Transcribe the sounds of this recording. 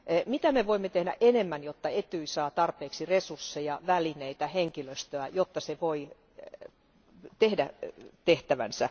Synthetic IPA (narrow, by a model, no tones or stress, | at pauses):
mit̪æmeʋoimːet̪ehdæ̰ʔenemːænjot̪ːɑet̪uisɑːt̪ɑrpeːksiresursːejɑʋælineit̪æheŋkiløst̪øɑjot̪ːɑseʋoi | t̪ehdæt̪eht̪æʋæ̰nsæ̰